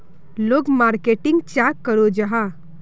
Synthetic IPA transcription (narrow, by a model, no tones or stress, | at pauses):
loːɡmaːɾkeːʈɪ̃ŋɡ̚t͡ʃaːkːəɾod͡ʒaɦa